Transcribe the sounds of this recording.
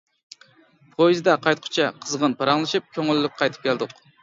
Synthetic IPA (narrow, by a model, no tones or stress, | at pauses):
pʰojzd̪ɛqʰɑjt̪qʰʊ̥t͡ʃʰɛqʰəzʁənpʰɑɾɑŋlˠɨʃɨp̚kʲʰøŋylːyk̚ʲqʰɑjt̪ʰɨ̥p̚kʲʰɛld̪ʊq